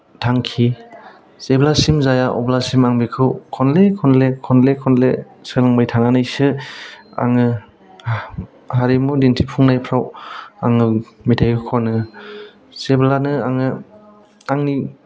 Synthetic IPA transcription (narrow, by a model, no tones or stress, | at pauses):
tʰaŋkʰi | seblasimzajaʔɔ̰blasimaŋbikʰɯwkʰɔnlekʰɔnlekʰɔnlekʰɔnle | sɯlŋmɯjtʰananɯjsɯ | a̰ŋɯ | haɾimudintʰipʰuŋnajpʰɾawaŋɯmitʰajkʰɯkʰɔnɯ | seblanɯa̰ŋɯ | aŋni